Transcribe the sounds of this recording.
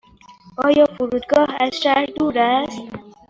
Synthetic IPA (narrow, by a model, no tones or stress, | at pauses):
ɒːjɒːfuɾuːd̪ɡɒːhæz̥ʃæɾd̪uːɾæst̪